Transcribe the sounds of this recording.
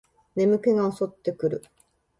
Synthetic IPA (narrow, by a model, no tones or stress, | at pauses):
ne̞mɯ̟ke̞ɡao̞so̞t̪ːe̞kɯ̟ɾɯ̟